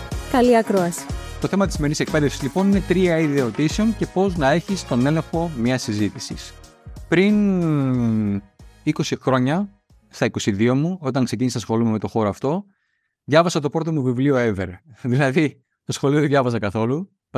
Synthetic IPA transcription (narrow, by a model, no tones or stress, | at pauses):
kɐliɐkɾoɐsi̥t̪o̞θe̞mɐt̪isimeɾinisek̚pe̞ðefsizlipo̞nine̞t̪ɾiɐiðeo̞t̪iseo̞nce̞po̞znɐe̞çist̪o̞ne̞le̞ŋxo̞mɲɐsizit̪isḭs | pɾin | iko̞sixɾo̞ɲɐ | st̪ɐiko̞siðio̞muo̞t̪ɐŋkse̞cinisɐsxo̞lume̞me̞t̪o̞xo̞ɾoɐft̪o̞ | ðʝɐvɐsɐt̪o̞pɾo̞t̪̬o̞muvivlio̞eveɾðilɐði | θɐsxo̞lio̞ðeðʝɐvɐsɐkɐθo̞lu | p